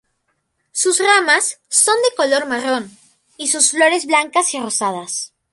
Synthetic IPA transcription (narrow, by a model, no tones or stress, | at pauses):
suzramasːo̞nd̪eko̞lo̞ɾmaro̞n | isusflo̞ɾe̞zβlaŋkasirosað̞as